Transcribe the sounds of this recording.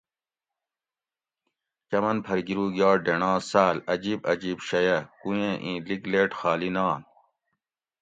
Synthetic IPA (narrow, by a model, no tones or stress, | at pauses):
t͡ɕɐmɐnpʰɐɾɡiɾuːɡjaːɖeɳãːsaːlɐd͡ʑiːbɐd͡ʑiːbɕɐjɐkujẽːʔĩːliɡleːʈxaːlinãːn